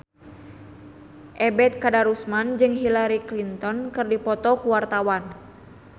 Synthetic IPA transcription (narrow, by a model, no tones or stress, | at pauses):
ʔɛbɛt̪̚kadaɾusmand͡ʒɨŋɦilaɾiklint̪ɔnkɨrdipɔt̪ɔkuwart̪awan